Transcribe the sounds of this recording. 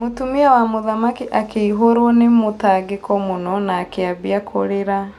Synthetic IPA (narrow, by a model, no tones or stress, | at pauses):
motumiawamoðamakiʔakeiɦoɾwɔnemotaɡekɔmonɔnaːkeabiakʰoɾeɾa